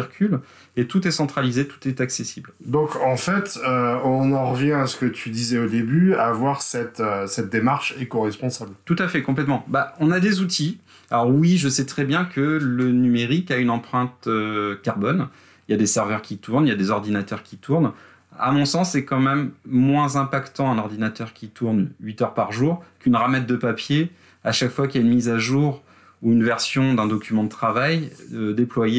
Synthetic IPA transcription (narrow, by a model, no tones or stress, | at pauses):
iʁkʲʰyl | et̪ut̪ɛsɑ̃t̪χalizet̪u̥t̪ɛt̪aksesibld̪ɔ̃kɑ̃fɛt̪øɔ̃nɑ̃ʁəvjɛ̃asə̥kət̪ʰyd̪izɛod̪ebyavwaʁsɛt̪øsɛt̪̚d̪emaʁʃekɔʁɛspɔ̃sablt̪ut̪afɛkɔ̃plɛt̪mɑ̃baɔ̃nad̪ezut̪ʰi | alɔʁwiʒəsɛt̪χɛbjɛ̃kələnymeʁikaynɑ̃pχɛ̃t̪økaʁbɔn | iljad̪esɛʁvœʁkʲit̪uʁnjad̪ezɔʁd̪inat̪œʁkʲit̪uʁn | a̰mɔ̃sɑ̃sːɛkɑ̃mɛmːwɛ̃zɛ̃pakt̪ɑ̃ɛ̃nɔʁd̪inat̪œʁkʲit̪uʁnɥit̪œʁpaʁʒuʁkynʁamɛt̪̚d̪əpapje | aʃakfwakiljaynmizaʒuːʁ | uynvɛʁsjɔ̃d̪ɛ̃d̪ɔkʲymɑ̃d̪ət̪χavajd̪eplwaje